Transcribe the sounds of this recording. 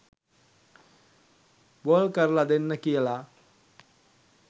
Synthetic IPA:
boːlkɐɾlɐd̪enːɐkijɐla

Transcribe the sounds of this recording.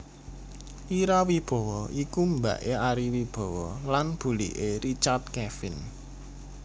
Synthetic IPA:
ʔiɾawib̥ɔ̤wɔʔikumbä̰ʔeaɾiwib̥ɔ̤wɔlanb̥ṳlḭʔeɾit͡ʃart̪̚kɛfɪn

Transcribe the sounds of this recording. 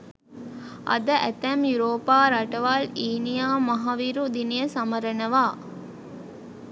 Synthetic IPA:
ɐ̰d̪əʔæt̪æmjuɾoːpaːɾɐʈɐʋaːliːnijaːmɐɦaʋiɾud̪inijəsɐmɐɾənəʋaː

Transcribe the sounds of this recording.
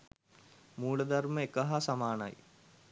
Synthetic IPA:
muːɭəd̪ɐrməekːɐɦasɐmaːnɐ̰j

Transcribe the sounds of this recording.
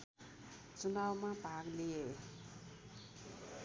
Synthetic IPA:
t͡sunawmapaklee

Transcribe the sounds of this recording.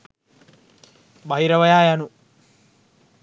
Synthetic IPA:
bɐɦiɾɐʋɐjaːjanu

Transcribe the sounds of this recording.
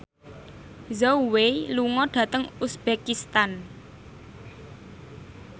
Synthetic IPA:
zoweluŋɔɖ̥ä̤t̪əŋusb̥ekist̪an

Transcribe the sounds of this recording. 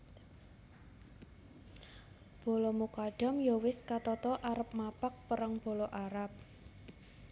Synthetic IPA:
b̥o̤lɔmukaɖ̥ɔ̤mjɔwɪskat̪ɔt̪ɔʔaɾəp̚mapak̚pəɾaŋb̥o̤lɔʔaɾap̚

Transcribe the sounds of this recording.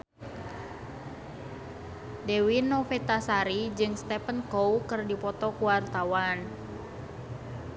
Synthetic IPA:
dewinɔfet̪asaɾid͡ʒɨŋst̪ɛpənkowkɨrdipɔt̪ɔkuwart̪awan

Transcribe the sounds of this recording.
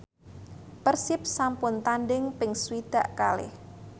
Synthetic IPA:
pərsɪp̚sampʊnt̪anɖɪŋpɪŋsuwid̪̥a̤ʔkalɪ̰h

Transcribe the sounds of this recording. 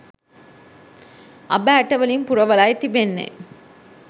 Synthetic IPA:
ʔɐbaːʈːɐʋɐlimpʊɾɐʋɐlaːjt̪ːibenːḛ

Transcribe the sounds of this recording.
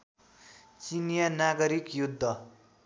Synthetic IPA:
t͡sinjanaɡʌɾikjud̪ʱːʌ

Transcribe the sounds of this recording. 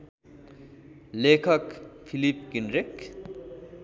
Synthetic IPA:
lekʰʌkpʰilip̚kinrek

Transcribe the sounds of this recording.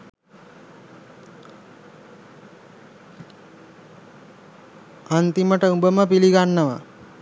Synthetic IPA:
ant̪iməʈəubəməpiliɡanːəʋa̰

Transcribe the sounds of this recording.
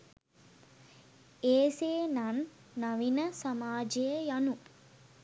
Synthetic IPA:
eːseːnanː | aʋinəsamaːd͡ʒejəjanu

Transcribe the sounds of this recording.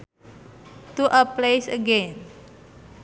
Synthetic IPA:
t̪uʔəplejsəɡɛn

